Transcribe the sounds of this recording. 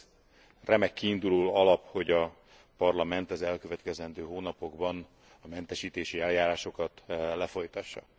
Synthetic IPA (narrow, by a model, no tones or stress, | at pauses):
rɛmɛkːiːnd̪uloːɒlɒpho̞ɟɒ | pɒrlɒmɛnt̪ɛzɛlkøvɛt̪kɛzɛnd̪øːɦoːnɒpo̞ɡbɒn | ɒmɛnt̪ɛʃiːt̪eːʃiɛljaːɾaːʃo̞kɒt̪lɛfo̞jt̪ɒʃːɒ̰